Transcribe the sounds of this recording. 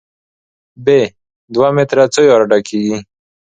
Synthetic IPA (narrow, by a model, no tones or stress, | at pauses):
be | d̪wamet̪ɾat͡sojɔɾaɖakiɡi